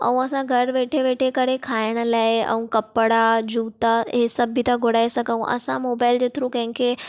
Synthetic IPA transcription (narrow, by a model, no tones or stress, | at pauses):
ɐ̰ũɐsãɡʱɐɽʋeːʈʰeʋeːʈʰekəɽekʰaːɪɽ̃ə̆laːɪɛ̰̃ũkɐpɽad͡ʑuːt̪aɦesɐbʱit̪aɡʱoɽaːesɐɡʱə̃ũʔɐ̰sãmoːbaːɪld͡ʑeːt̪ɪɾũkɐ̃ɦɪ̃ŋkʰe